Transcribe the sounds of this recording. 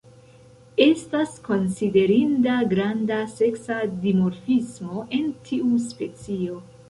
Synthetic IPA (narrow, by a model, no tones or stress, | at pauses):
e̞stasko̞nside̞ɾindaɡɾandase̞ksadimoɾfismo̞ʔe̞ntʰiuspe̞t͡sio̞